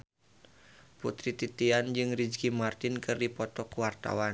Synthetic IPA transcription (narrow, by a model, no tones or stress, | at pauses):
put̪ɾit̪it̪iand͡ʒɨŋrid͡ʒkimart̪ɪnkɨrdipɔt̪ɔkuwart̪a̰wan